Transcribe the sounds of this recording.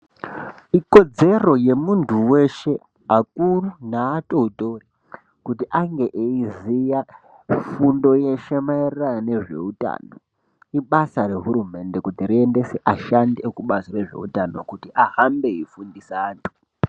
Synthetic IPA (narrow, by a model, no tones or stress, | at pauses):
iko̞d͡ze̞ro̞je̞muntʰuwe̞ʃe̞ | ak̚urunaːtouto̞ri | kutiʔaŋɡe̞ʔeizija | fundo̞jeʃemairiranane̞ʐe̞̰uta̰no̞̰ | iɓasaɾe̞ɦuɾume̞nde̞kutirie̞nde̞seʔaʃandkuɓasire̞ʐe̞̰ṵtano̞̰kutiʔaɦambe̞ifundisaːntʰu̥